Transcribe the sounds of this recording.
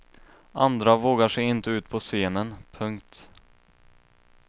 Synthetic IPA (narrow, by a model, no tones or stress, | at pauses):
ʔand̪ɾavoːɡaʂɛɪnt̪əʉ̟ːt̪pʰɔseːnənpʰɵŋkt̪